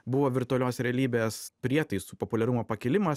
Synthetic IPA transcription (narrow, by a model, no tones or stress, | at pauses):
bʊʋoːʋʲɪɾt̪ʊɔlʲoːsɾʲɛɐlʲiːbʲeːspʲɾʲiɛt̪ɐɪsuːpopʊlʲɛɾʊmoːpɐkʲɪlʲɪmɐs